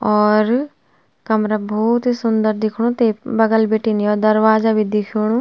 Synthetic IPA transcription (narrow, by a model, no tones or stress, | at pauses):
ɔːɾ | kəmɾaːbɔːt̪isʊnd̪əɾd̪ɪkʰɽ̃õːt̪eːbəɡəlbeːʈiːniɔːd̪əɾʋaːzaːʋɪd̪ɪkʰoːɽ̃õː